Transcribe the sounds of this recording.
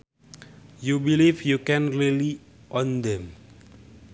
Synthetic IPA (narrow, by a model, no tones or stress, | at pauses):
jubilifjukɛ̃nɹili | ʔɔ̃nd̪ɛ̃m